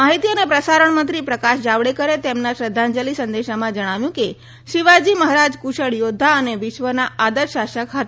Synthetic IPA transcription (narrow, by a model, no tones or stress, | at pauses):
maɦit̪iənepɾəsaɾəɳmənt̪ɾipɾəkaʃd͡ʒaʋɽekəɾet̪emnaʃɾəd̪ʱːãnd͡ʒəlisənd̪eʃamãd͡ʒəɽ̃aʋjũke | ʃiʋad͡ʒiməɦɾad͡ʒkuʃəɭjod̪ʱːaəneʋɪʃʋənaʔad̪əɾʃaʃəkɦət̪a